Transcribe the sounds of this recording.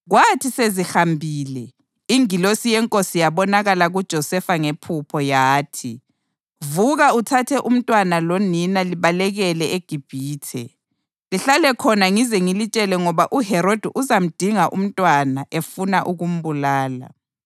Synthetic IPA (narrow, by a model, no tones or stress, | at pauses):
ɣwatʰisezixambʱiːlɛ | iŋilosijɛŋkʼosijaβɔnaɣalaɣud̥ʒ̥ʱɔsɛfaŋepʰupʰɔjaːtʰi | vuɣautʰatʰɛʔum̩tʼwanaloninaliβalɛɣɛlɛeɡ̥ʱib̥ʱiːtʰɛ | liɬalɛkʰɔnaŋizɛŋilit͡ʃʼɛlɛŋɔβaʔuɦɛɾod̥ʱiʔuzam̩d̥ʱiŋaʔṵm̩tʼwanaʔefunaʔuɣum̩βulaːla̰